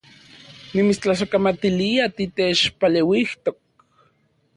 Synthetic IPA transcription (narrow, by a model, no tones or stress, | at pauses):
nimit͡st͡ɬas̬akamat̪iliat̪it̪et͡ʃpalewiht̪ok̚